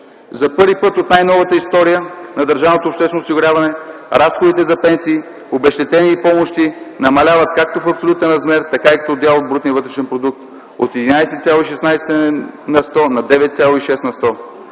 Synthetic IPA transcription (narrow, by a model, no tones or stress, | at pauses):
zɐpɤɾvipɤt̪ot̪najnɔvət̪əist̪ɔɾijənɐd̪əɾʒavnot̪oːpʃt̪ɛsnosiɡʊɾʲjavɐnɛɾasxod̪it̪ɛzɐpɛnsiː | obɛʃt̪ɛt̪ɛniːpɔmoʃt̪inɐmɐlʲavət̪̚kak̚t̪ofɐpsolʲut̪ɛnɾɐzmɛɾt̪ɐkaikɐ̥t̪ɔːd̪ʲjalˠod̪̚bɾut̪niəvɤt̪ɾɛʃɛnpɾod̪uk̚t̪ | o̰t̪ɛd̪inajsɛt̪t̪sjalˠoiʃɛsnajsɛnɐst̪ɔnɐd̪ɛvɛt̪t̪sʲjalˠoiʃɛst̪nɐst̪ɔ